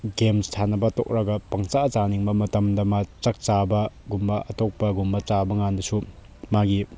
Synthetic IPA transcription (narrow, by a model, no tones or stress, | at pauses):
ɡemstʰanɐbɐtɔk̚ɾaɡɐpɐŋt͡ʃat͡ʃaniŋbɐmɐtɐmdɐmat͡ʃɐk̚t͡ʃabɐɡumbɐɐtɔk̚pɐɡumbɐt͡ʃabɐŋandɐsu | maɡi